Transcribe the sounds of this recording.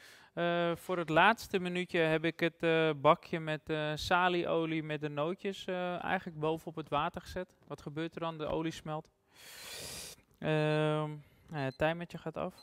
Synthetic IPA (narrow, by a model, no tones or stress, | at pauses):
əfʊːrətlaːtstəmənytjəɦɛpɪkətbɑkʰjəmɛtəsaːliʔowlimɛt̚dənowtjəsəɛ̰jɣənləɡ̚bowvənɔpətʋaːtərχəsɛt | ʋɔtχəbøːtərdɔndəo̰wlismɛlˠt | ə | aətɛjmɛtjəxaːtɔ̰f